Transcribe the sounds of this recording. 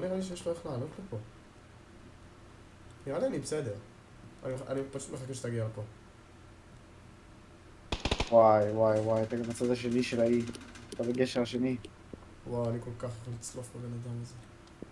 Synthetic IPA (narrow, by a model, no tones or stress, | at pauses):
anialiʃ̬ejeʃlojeχlaːlot̪lipo | niʁalianibesed̪eʁ | a̰nianipaʃut̪meχakeʃet̪aɡialepo̞ | wajwajwajt̪aɡamat͡sad̪aʃeniʃelait̪abeɡeʃeʁaʃeni | wawaniko̞lkaχjaχolit͡slofbebenad̪ameze